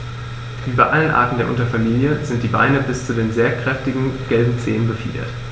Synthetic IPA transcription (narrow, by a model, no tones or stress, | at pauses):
ʔyːbɐʔalənʔa̰ːɐtn̩deɐʔʊ̰ntɐfamiːljəzɪnt̚d̥iːba̰ɪnəbɪst͡sudeːnzeːɐkʁ̥ɛftɪɡŋ̩ɡ̥ɛlbm̩t͡sḛːənbəfḭːdɐ̰t